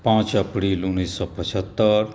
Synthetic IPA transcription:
pãt͡ʃəpɾiːlunːiːsːɔpət͡ʃʰət̪ːəɾ

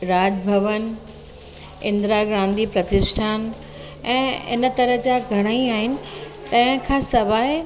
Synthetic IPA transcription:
ɾaːd͡ʑbʱɐʋən | ɪ̃nd̪ɾaːɡɾãːnd̪ʱipɾɐt̪ɪsʈʰaːn | ɛ̃ːɪ̰nt̪ɐɾəɦd͡ʑaːɡʱɐɽ̃aiaːɦɪnɪ̆ | t̪ɐ̃ɦɪ̃kʰãːsɐʋaːɪ

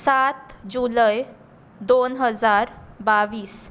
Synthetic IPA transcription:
sat̪d͡ʑuləj | d̪onɦəd͡zaɾbaʋiːs

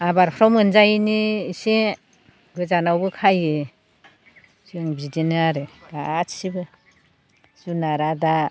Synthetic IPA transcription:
abaɾpʰɾɔwmɯnzajniːse | ɡɯzanawbɯkʰajɯ | siɯŋbidinaɾɯɡ̥atsibɯ | sunaɾada

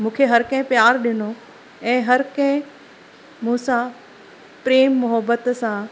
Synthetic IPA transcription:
mũːkʰeɦɐɾkɐ̃ɦɪ̃pjaːɾɗɪno | ɛ̃ːɦɐɾkɐ̃ɦɪ̃ | mũːsã | pɾeːmːʊɦəbət̪sã

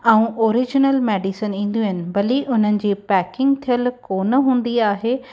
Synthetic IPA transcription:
ɛ̃ũʔoːɾɪd͡ʑɪnəlmeːɖisənĩːn̆d̪ijuɦɪnɪ̆bɐliʔʊn̤ənɪ̆d͡ʑiːpɛːkɪ̃ŋɡ̚t̪ʰijəlkoːnəɦũːn̆d̪iaːɦeː

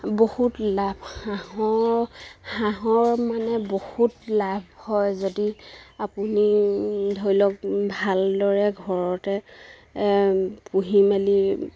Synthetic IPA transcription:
bohutlabʱxaɦɔ | xaɦɔɹmanɛbohutlabʱhɔjzodiapunidʱojlɔkbʱaldɔɹɛɡʱɔɹɔtɛ | puɦimali

